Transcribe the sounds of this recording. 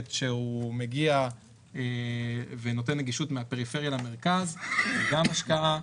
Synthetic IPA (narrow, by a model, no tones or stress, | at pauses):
tʃeume̞ɡia | eveno̞t̬e̞nːeɡiʃutmeape̞ʁifeʁjalame̞ʁkazɡamaʃkaʔa